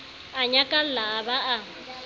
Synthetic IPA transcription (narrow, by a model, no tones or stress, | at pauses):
aɲakʼal̩laːbaʔa